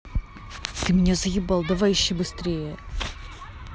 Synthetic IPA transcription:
t̪ɨmʲɪnʲazəjʲɪbɑlˠd̪ɐvajʲɪɕːɪjbɨst̪ɾʲejə

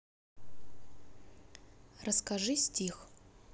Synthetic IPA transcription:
rəskaʐɨsʲtʲʰix

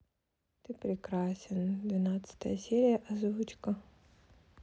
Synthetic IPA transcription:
t̪ɨpɾʲɪkɾasʲɪnd̪vʲɪnat̪sɨ̥t̪əjəsʲeɾʲɪjəʔɐzvut͡ɕkə

